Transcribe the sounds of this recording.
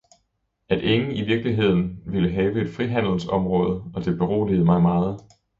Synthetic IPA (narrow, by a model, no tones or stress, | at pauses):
æd̥e̝ŋn̩iʋiɐɡ̥liɦe̝ð̞̰ˠn̩ʋiləɦɛːʊəe̝d̥fʁiɦæn̰l̩sɒ̽mʁɔ̽ːð̞ˠəɒ̽d̥e̝b̥e̝ʁo̝̰ːlið̞̩ˠmɑ̈ɪmɑ̈ːð̞̩ˠ